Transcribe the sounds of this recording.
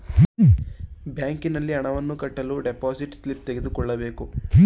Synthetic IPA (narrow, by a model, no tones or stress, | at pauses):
bjaːŋkinɐlːiɐɳɐʋɐnːukɐʈːɐluːɖepaːsiʈslip̚t̪eɡed̪ukɔɭːɐbe̞ːku